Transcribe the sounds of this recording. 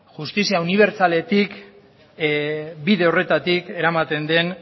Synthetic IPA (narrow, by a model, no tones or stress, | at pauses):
ʝust̪isiauniβ̞e̞ɾt͡sale̞t̪ik | biðe̞o̞re̞t̪at̪ike̞ɾamat̪e̞nd̪e̞n